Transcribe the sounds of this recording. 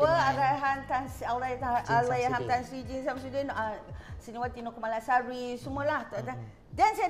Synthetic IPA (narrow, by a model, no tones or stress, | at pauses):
əaɾaɦant̪ansaɾaj̪aalajaɦamt̪ansɾid͡ʒinsamasudənʔsəniwat̪inɔʔkəmalasaɾisumuəlaht̪ɔʔda | dansaj